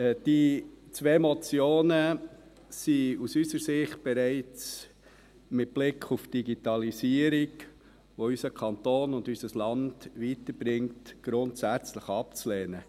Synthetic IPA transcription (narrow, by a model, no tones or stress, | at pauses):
d̥i | t͡sʋeːmɔt͡sjoːnə | siusysəɾsɪχt̚b̥ɛɾæɪt͡s | mɪt̚b̥lɪkʰufd̥iɡitɑlisiːəɾiɡ | ʋoysəkʰɑnt̪oːnʊndysəslɑnd̥ʋitəɾb̥ɾɪŋtɡ̥ɾʊntsæt͡sləχɑpt͡sleːnə